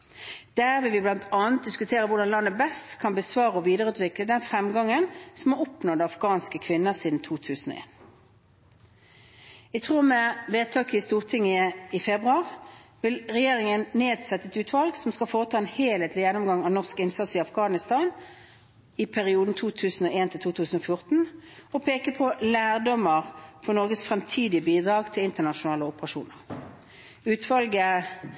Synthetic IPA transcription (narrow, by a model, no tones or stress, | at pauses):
d̪̥æːʁʋɪlʋɪblɑnt̪ʰɑːnt̪̚d̪ɪskʉt̪ʰeːʁəʋʊɖɑnlɑnːəbɛst̪kʰɑnbəsʋɑːʁəɔʋiːd̪əʁəʉːt̪ʋɪkləd̪ɛnfʁɛmɡɑŋːənsɔmoɔpnoːd̪əɑfɡ̥ɑːnskəkʰʋɪnːəʁsiːd̪n̩t̪ʰuːt̪ʰʉːsn̩o̰ʔḛːn | æt̪ʰʁuːʁmɛʋeːt̪ʰɑːkəəst̪uːʁt̪ʰɪŋːəɪfɛbʁʉɑːʁʋɪlʁɛjeːʁɪŋənneːd̪sɛt̪ːəɛt̪ʉːt̪ʰʋɑlɡsɔmskɑlfoːʁət̪ʰɑːɛnheːleːt̪ʰlɪjɛnːɔmɡɑŋɑʋnɔʁskɪnsɑt̪sɪɑfɡɑːnɪst̪ɑːn | ɪpʰæʁɪuːd̪n̩t̪ʰuːt̪ʰʉːsn̩oːeːnt̪ɪlt̪uːt̪ʰʉːsn̩ofjʊʁt̪n̩ɔpʰeːkəpʰɔlæːʁd̪ɔməʁfɔʁnɔʁɡəsfʁɛmt̪ʰiːd̪ɪəbiːd̪ʁɑːɡt̪ʰɪlɪnt̪əʁnɑʃʊnɑːləʊpəʁɑʃṵːnəʁ | ʉːt̪ʰʋɑlɡə